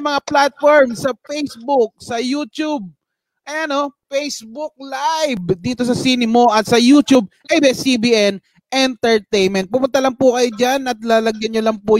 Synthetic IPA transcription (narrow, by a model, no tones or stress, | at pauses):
mɐŋaplat̪̚foɹmsɐfejsbʊk̚sɐjuːt̪ub̚ | ʔɐjaɐnofejsbʊk̚lajbd̪iːt̪o̞s̬ɐsinɪmoʔɐt̪̚sɐjut̪ub̚ʔejbɛsibiʔɛn | ʔɛnt̪ɛɹt̪ejnmɛnt̪̚pʊpʊnt̪alɐŋpʊkɐjod͡ʒanɐt̪̚laːlɐɡjɐnɲolɐŋpʊ